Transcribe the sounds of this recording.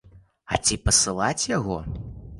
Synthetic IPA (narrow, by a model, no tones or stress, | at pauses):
ɐt͡sʲipɐsɨlˠat͡sʲjaɣɔ